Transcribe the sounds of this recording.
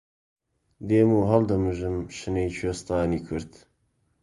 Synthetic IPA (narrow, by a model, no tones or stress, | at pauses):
d̪eːmuːɦɐld̪ɐmɨʒɨmʃɨnejt͡ʃʰwest̪ɑːniːkʰʊɾt̪